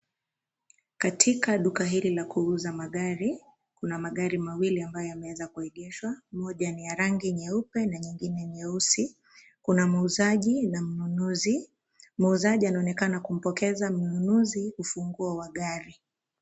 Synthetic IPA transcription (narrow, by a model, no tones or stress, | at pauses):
katʰikaɗukaɦililakuuzamaɠaɾi | kunamaɠaɾimawiliambajɔjamɛwɛzakuɛɠɛʃwamɔʄanijaɾaŋɡiɲɛupɛnaɲiŋɡinɛɲɛusi | kunamauzaʄinam̩nunuzi | mauzaʄianaɔnɛkanakum̩pɔkɛzam̩nunuziufuŋɡuawaɠaɾi